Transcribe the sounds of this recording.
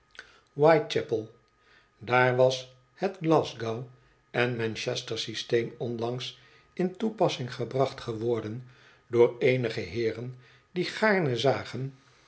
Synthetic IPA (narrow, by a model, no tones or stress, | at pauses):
wajt̚t͡ʃɛpəlˠ | daːɹʋɑs | hədɡlɑzɡaw | ɛnmɛnʃɛstəɹsistejmɔnlɑŋs | ɪntupɑsɪŋχəbrɑχtχəʋɔɹdən | dʊːɹejnəχəɦɪːrən | diχaːɹnəzaːχən